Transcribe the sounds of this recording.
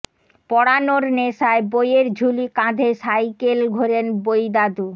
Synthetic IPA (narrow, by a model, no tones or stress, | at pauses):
pɔɽanoɾneʃaebojeɾd͡ʑʱulikãd̪ʱeʃajkelɡʱoɾenbojd̪ad̪u